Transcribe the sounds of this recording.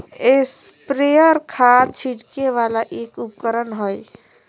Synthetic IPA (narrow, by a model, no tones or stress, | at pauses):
espɾejəɾkʰat͡ʃʰiɽkeʋalaʔekupkəɾənɦoj